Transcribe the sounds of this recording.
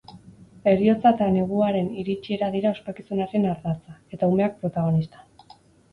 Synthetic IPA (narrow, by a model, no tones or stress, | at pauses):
e̞rio̞t͡sat̪ane̞ɣ̞uaɾe̞niɾit͡ʃie̞ɾaðiɾao̞spakisunaɾe̞naɾðat͡sae̞t̪aume̞ak̚pɾo̞t̪aɣ̞o̞nist̪ḁ